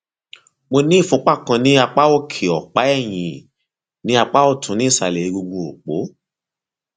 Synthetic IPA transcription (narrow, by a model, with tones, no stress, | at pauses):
mo˧nĩ˦˨fũ˨˦k͡pa˦˨kã˧nĩ˦a˧k͡pa˦o˦˨kʰe˨ɔ˨k͡pa˨˦ɛ˦˨j̃ḭ̃˨ | nĩ˦a˧k͡pa˦o˦˨tʰũ˨˦nĩ˦i˦˨sa˧˨lɛ˨i˨˧ɡu˧ɡ͡bu˧o˨k͡po̰˨˦